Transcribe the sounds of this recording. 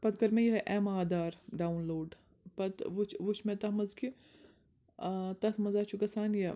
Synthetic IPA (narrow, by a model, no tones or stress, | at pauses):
pɐt̪kɐɾmẽjɐɦɐʔɛːmaːd̪aːɾɖaːunloːɖ | pɐt̪ʋut͡ʃʰʋut͡ʃʰmẽt̪ɐmɐzki | t̪ɐt̪ʰmɐzaːt͡ʃʰukɐsaːnjɐ